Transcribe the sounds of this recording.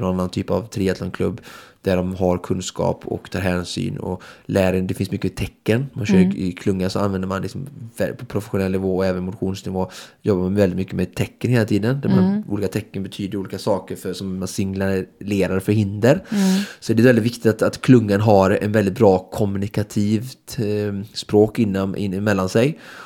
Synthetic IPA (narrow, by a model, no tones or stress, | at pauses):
nɔnanːant̪ʰyːpavt̪ʰɾeːɛt̪ʰlan̚kʰlɵ̰bːd̪̥æɖɔmɦaɾkʰɵnskɑ̰ːpʰɔ̰kt̪ʰɑːɾɦɛːnsy̰ːnɔ̰læːɾənd̪ɛfɪnsmʏkːəmɛt̪ʰɛkːənmanɕøːɾɪ̰kʰlɵŋːansɔanvɛnd̪əɾmanlɪksɔmvɛpʰɔpʰɾʊfɛɧʊnɛlːnɪvoːɔɛːvənmʊt̪ɧuːnsnɪvoːjɔbːamanvɛlɪt̪mʏkːəmɛːt̪ʰɛkːənheːlat̪ʰiːd̪ənd̪æmanʔṵːliːkat̪ʰɛkːənbɛt̪ʰyːd̪əɾuːliːkasɑːkəɾfœsɔmːansɪŋlaɾleːɾaɾfœɾhɪnd̪əɾsɔɛd̪ɛvɛlɪt̪vɪkt̪ɪt̪at̪at̪kʰlɵŋːanɦaɾɛ̰nvɛld̪ɪt̪̚bɾɑːkʰɔmʉnɪkat̪ʰiːvt̪spɾoːkɪnːamʔɪ̰ɪmɛlːansɛj